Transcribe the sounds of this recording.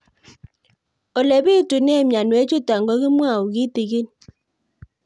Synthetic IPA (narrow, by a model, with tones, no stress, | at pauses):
o˨le˨βi˦tu˨ne˦˨mja˨nwe˦t͡ʃu˦ta˨ŋɡo˦ɣɪ˦mwa˦˨u˨ɣi˦ti˨ɣi˦n